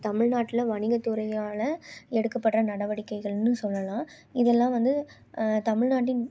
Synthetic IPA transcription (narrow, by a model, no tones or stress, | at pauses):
t̪ɐmɪɻnaːʈːɪlɐʋɐɳɪŋɡɐt̪ːɯɾɐɪjaːlɐɛɽɯkːɐpːɐʈrɐnɐɽɐʋɐɽɪkːɐɪɣɐɭnɯsɔlːɐlãː | ɪðɛlːãːʋɐnd̪ɯ | t̪ɐmɪɻnaːʈ̬ːɪn